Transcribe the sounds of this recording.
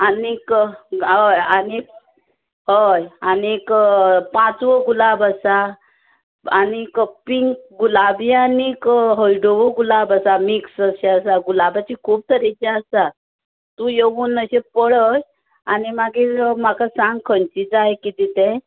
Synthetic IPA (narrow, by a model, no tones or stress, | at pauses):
anik | əjani | ɦəjanikpãt͡sʋəɡulabəsa | anikəpiŋkɡulabianikɦəiɖoʋəɡulabəsamiksəɕɛəsaɡulabat͡ɕikʰuːb̚t̪ʰəɾet͡ɕaəsa | t̪ujeʋuːnːəɕẽpəɽəj | animaɡim̤akʰasãŋɡkʰənt͡ɕit͡saɦekit̪it̪ɛ̃